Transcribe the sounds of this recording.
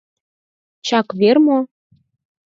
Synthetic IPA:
t͡ɕɑkβermo

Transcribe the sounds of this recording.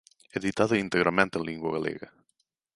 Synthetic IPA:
eðit̪aðʊint̪eɣɾamẽnt̪ẽlĩŋɡwɐɣalḛɣɐ

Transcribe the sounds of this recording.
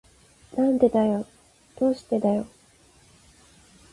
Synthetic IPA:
nãnd̪e̞d̪ajo̞ | d̪̥o̞ːɕi̥t̪e̞d̪ajo̞

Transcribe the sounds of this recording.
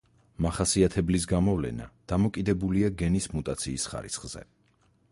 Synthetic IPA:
maχasiat̪ʰɛblis̬ɡamɔvlɛ̰na̰d̪̥amɔkʼid̪ɛbuliaɡɛnismut̪ʼat̪sʰiːsχa̰ɾḭsʰχz̥ɛ̰

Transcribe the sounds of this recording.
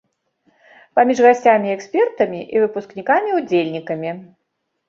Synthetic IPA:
pamʲiʐɣasʲt͡sʲamʲiɛksʲpʲɛrt̪ɐmʲiʔivɨpusknʲikamʲiud͡zʲelʲnʲikɐmʲi

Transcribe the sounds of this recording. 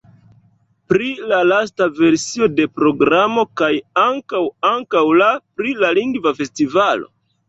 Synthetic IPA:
pɾilalas̬tave̞ɾsio̞de̞pɾo̞ɡɾamo̞kajaŋkawaŋkawlapɾilaliŋɡvafe̞stivalo̞̰

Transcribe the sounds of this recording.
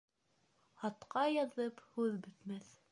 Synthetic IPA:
ɑt̪qɑjɑðɤphʉðbɵ̆t̪mæθ

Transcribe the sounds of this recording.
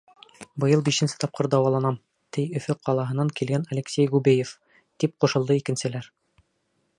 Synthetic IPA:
bɤ̆jɤlˠbiʃɘ̆nsɘ̥t̪ɑp̚qɤɾd̪ɑwɑlˠɑnɑm | t̪ʰɘjɵ̆fɘqɑlˠɑɦɤ̆nːɑŋkilɡænɐlʲɘksʲejʁubejef | t̪ip̚quʃɤ̆lˠd̪ɤikɘ̆nsɘ̆læɾ

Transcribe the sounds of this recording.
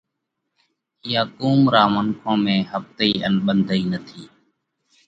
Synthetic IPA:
ɪjaːkuːmɾaːməŋkʰõːmẽːhəft̪əiːənɓənd̪ʱəiːnət̪ʰiː

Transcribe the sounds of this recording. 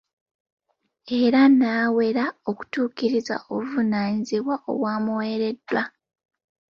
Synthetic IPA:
e̞ɾanaːwe̞ɾao̞ku̥tuːkiɾiza̰oβuvunaːɲiziβwaʔo̞̰waːmuwe̞ːɾe̞dːwa

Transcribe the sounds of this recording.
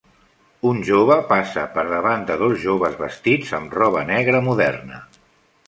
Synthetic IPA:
unʲʒoβ̞əpasəpəɾðəβand̪əðozʒoβəzβə̰st̪id͡zəmrɔβənɛɣɾəmuðɛ̰rnə

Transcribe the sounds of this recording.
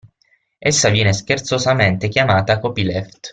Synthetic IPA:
esːavjɛːneskert̪sozament̪ekjamaːt̪akopilɛft̪

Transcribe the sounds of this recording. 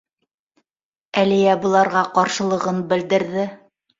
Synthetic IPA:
ælijæbɤ̆lˠɑɾʁɑqɑɾʃɤ̆lˠɤ̆ʁɤnbɘ̆ld̪ɘ̆ɾðɘ

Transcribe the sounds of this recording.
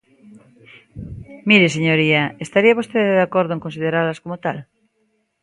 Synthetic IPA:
miɾes̬eɲoɾiaest̪aɾiaβ̞ost̪eððakoɾðoeŋkonsið̞eɾaɾlaskomot̪al

